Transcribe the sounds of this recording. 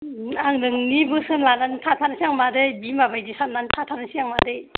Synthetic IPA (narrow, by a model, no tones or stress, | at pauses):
aŋdɯŋnibɯsɯnlanantʰatʰanasiaŋmadɯjbimabajdisannantʰatʰanasiaŋmadɯj